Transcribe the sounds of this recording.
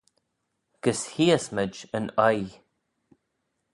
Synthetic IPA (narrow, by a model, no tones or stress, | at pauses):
ɡ̥əshiəsməd͡ʒənɔj